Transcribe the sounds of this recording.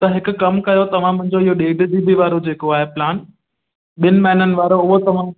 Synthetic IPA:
t̪ɐɦɪkʊkɐmkɐjot̪ɐʋ̤ãmɐ̃ɦɪ̃ɲd͡ʑoɪɦoɗeːɖd̪ibʱiʋaːɾod͡ʑeːkoaːɦeplaːn | ɓɪnɪ̆mɐɦɪnənɪ̆ʋaːɾoʊɦot̪ɐʋ̤ã

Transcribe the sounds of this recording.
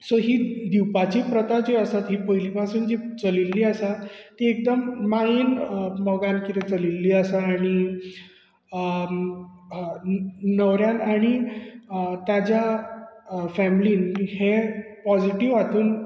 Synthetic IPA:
sɔɦiːd̪iwpat͡ɕiːpɾət̪ad͡ʑeəsat̪ɦiːpəɦiliːpasuːnd͡ʑit͡səlilːiːəsat̪iek̚d̪əmːainməɡankit̪ɛ̃t͡səlilːiːəsaːɽ̃i | nəʋɾjanaɽ̃i | t̪jad͡ʑja | fæmiliːnhepɔd͡ʑiʈiʋat̪ʰuːn

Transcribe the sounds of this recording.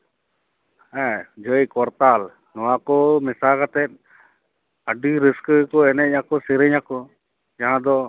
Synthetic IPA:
ɛd͡ʒəjkɔɾt̪aːl | nɔwakɔmɪsakat̪ɛt̪̚ | əɖiɾɪskkɔɛnɛjãkɔsɪɾəɲãkɔ | d͡ʒaɦãd̪ɔ

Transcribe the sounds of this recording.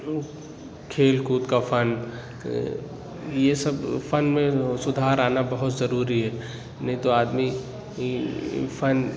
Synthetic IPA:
kʰeːlkuːt̪kafʰɐn | jesɐbfɐnmẽsʊd̪ʱaːɾaːnabɐɦʊt̪zɐɾuːɾiɦɛː | nɐɦĩt̪oaːd̪mi | fʰɐn

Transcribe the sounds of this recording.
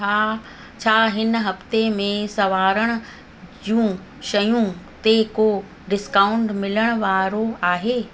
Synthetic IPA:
aː | t͡ɕʰaːɦɪnɦɐft̪emẽsɐʋaːɾəɽ̃ʊ̆ | d͡ʑũ | ʃɐjũt̪eko | ɖɪskaːʊ̃ɳɖmɪləɽ̃ʊ̆ʋaːɾoaːɦeː

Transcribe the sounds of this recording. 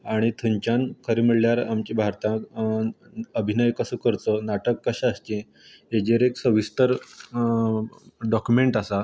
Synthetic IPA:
aɽ̃it̪ʰəɲt͡ɕãnkʰəɾemiɭljaɾamt͡ɕĩbʱaɾt̪ã | əbʱinəjkəsəkəɾt̪onaʈəkːəɕaːst̪ĩ | ed͡ʑeɾeksəʋist̪əɾ | ɖɔkjumeɳʈasa

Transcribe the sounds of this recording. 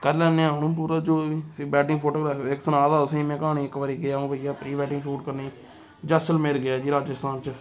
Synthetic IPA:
kələ̃ːneaːnũːp̬uːɾaːd͡ʒoːibɛːʈɪ̃ŋɡpʰoːʈoːɡɾaːfɪksənaːzaːʊsĩːmɛ̃ːkaːɳiːɪkʋaːɾiːɡɪjãːbəjaːpɾiːbɛːʈɪ̃ŋɡsuːʈkəɾniː | d͡ʒəsəlmeːɾɡɪjaːd͡ʒiːɾaːd͡ʒəst̪aːnt͡ʃə

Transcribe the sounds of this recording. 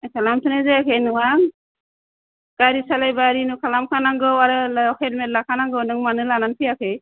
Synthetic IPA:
kʰalamtʰɯnezeakʰejnɯŋaŋ | ɡ̥aɾisalajbaɾinukʰalamkʰanaŋɡɯwaɾɯlɔkʰet̚mɛt̚lakʰanaŋɡɯwnɯŋmanɯlananpʰijakʰej

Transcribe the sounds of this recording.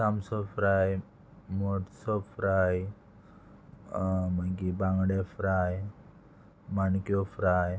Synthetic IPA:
samsɔfɾaj | mɔʈsɔfɾaj | makibãŋɡɽefɾaj | mankjɔfɾaj

